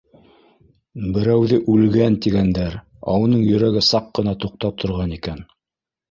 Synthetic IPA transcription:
bɘ̆ɾæwðɘʔʉlɡænt̪iɡænd̪æɾ | ɑ̰wɤ̆nɤɴjɵ̆ɾæɡɘsɑqːɤ̆nɑt̪uq̚t̪ɑp̚t̪ʰŏɾʁɑnikæn

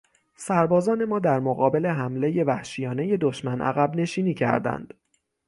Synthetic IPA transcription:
sæɾbɒːzɒːne̞mɒːd̪æɾmoɣɒːbe̞le̞ɦæmle̞je̞væhʃijɒːne̞je̞d̪oʃmænʔæ̰ɣæbne̞ʃiːniːcʰæ̰ɾd̪æ̰nd̪̥

